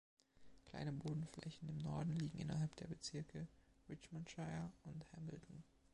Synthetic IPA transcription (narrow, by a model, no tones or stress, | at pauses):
kl̥a̰ɪnəboːdn̩flɛ̰çn̩ɪmnɔɐdn̩liːɡŋ̩ʔɪ̰nɐɦalpd̥eːɐbət͡sɪɐkʰəʁɪt͡ʃmantʃaɪɐʊnthɛml̩tn̩